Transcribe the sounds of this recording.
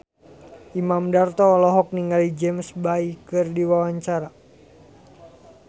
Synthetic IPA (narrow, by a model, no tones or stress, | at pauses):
ʔimamdart̪ɔːlɔɦɔk̚niŋɡalid͡ʒɛmsbaikɨrdiwawaɲt͡ʃaɾa